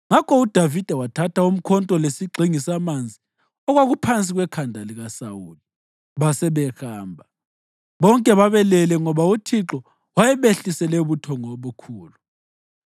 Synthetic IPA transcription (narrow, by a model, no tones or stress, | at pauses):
ŋakʰɔud̥ʱavid̥ʱɛwatʰatʰaum̩kʰɔntʼɔlesiɡ͡ǃʱiŋisamand͡zʱi | ɔɣwaɣupʰant͡sʼiɣwɛkʰandʱaliɣasawuːli | βasɛβɛxaːmbʱa | βɔŋkʼɛβaβɛlɛlɛŋɔβautʰiǁɔ | wajɛβeɬisɛlɛuβutʰɔŋoβukʰuːlu